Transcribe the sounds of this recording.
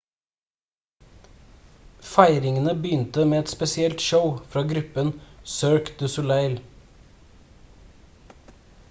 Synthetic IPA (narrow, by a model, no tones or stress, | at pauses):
fæɪɾɪŋənəbəʏnt̪əmeːɛt̪spɛsɪɛlt̪ʃəʊfɾɑːɡɾʉpənsøːɹkd̪̥ʉsʊlæɪl